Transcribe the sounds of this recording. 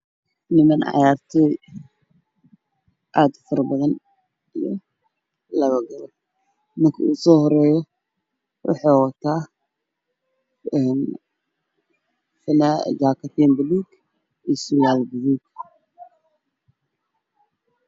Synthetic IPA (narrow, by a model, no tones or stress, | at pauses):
nɪmɐnʕɑ̰jaːrt̪ʰɛ | ʔaːd̪fɐɾɐbɐðɐn | ijɔ | lɐβɐɡɐlɔ | mɐrkʰɐ̰usɔːhɔɾɛːjɔ | wʔɑ̰ħɑwɐt̪ʰaː | ɛn | fɪnad͡ʒaːkʰɐt̪ɛnbɪliɡ | isʊjaːlbɪliɡ